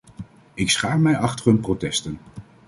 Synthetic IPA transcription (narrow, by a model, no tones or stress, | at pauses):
ɪksχaːmɛjɑχtərɦɵnprotɛstən